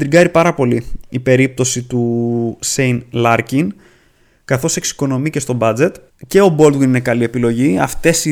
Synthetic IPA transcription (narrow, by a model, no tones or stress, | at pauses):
d̪ɾiɡɐɾipɐɾɐpo̞liipe̞ɾip̚t̪o̞sit̪usejnlɐɾcin | kɐθo̞se̞ksi̥ko̞no̞mice̞st̪o̞bɐd͡ze̞t̪ | ce̞o̞bo̞ld̪winine̞kɐlie̞pilo̞ʝiɐft̪e̞si